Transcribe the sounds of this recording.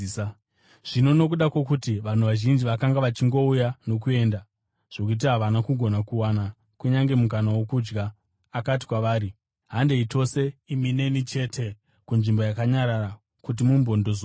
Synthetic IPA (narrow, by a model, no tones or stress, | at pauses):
ʐ̥ino̞no̞k̬uɗakwok̬utiʋan̤uʋaʒind͡ʒiʋakaŋɡaʋat͡ʃiŋɡo̞ujano̞k̬ue̞ːnda | ʐ̥ok̬uit̬iɦaʋanakuɡʱo̞nakuwana | kuɲaŋɡe̞mukanawo̞kud͡ʒɡaː | kat̬i̥kwaʋaːɾi | ɦande̞ito̞se̞imine̞nit͡ʃe̞tʰe̞ | kunʐimbo̞jakaɲaɾara | kut̬imumbo̞ndo̞zo